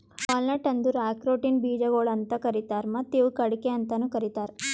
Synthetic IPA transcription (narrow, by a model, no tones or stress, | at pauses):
pɐlnɐʈɐnd̪uɾaːkɾoːʈinbiːd͡ʒɐɡoɭɐnt̪ɐkɐɾit̪aːɾmɐt̪ːiʋukɐɽikeɐnt̪ɐnukɐɾit̪aːɾ